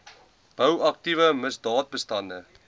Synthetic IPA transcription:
b̥əwɐk̚tivəməsdɑːt̚bəstɐndə

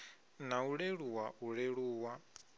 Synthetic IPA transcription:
nauɺeɺuwauɺeɺuːwa

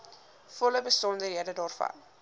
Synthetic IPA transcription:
fɔləbəsɔndəɦiədədɑːrfɐ̰n

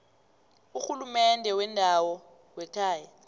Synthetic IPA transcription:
uxulumɛndʱɛwɛndʱawɔ | wɛtʰaːjɛ

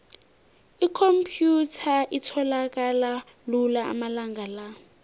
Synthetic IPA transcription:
ikʰompʰjutʰaʔitʰɔlak̬ʼala | lulaa̰malaŋɡʱala

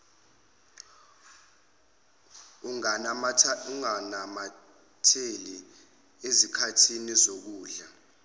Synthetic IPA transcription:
u | uŋanama | tʰeli | ezikʰatʰinizok̬uːɮa

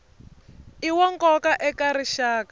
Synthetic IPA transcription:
iwɔŋkɔkaʔɛkaɾiʃaːkḁ

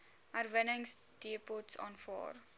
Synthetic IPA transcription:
arvənəŋsd̥iəpɔtsɑ̰ːnfɑ̰ːr

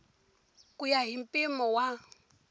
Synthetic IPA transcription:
kʼujaɦim̩pʼimɔwa

